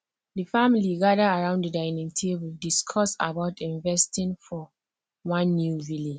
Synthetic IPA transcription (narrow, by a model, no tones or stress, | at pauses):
dəfamiliɡadəaɹãʊ̃ndədaɪnĩŋtʰebuldiskʰɔsa̰baʊtĩnvɛstĩnfɔ | wãnːjuvile